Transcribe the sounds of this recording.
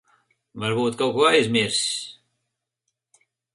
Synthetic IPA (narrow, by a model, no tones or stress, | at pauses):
vaɾbuːt̪kawkuɔajzʲmiɾsʲ